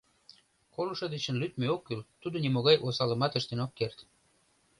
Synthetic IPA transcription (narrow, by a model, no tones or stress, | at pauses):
koluʃəd̪et͡ɕə̆nlyt̪meokːylt̪ud̪ŏnimoɣɑjʔosɑlə̆mɑt̪əʃt̪enokːert̪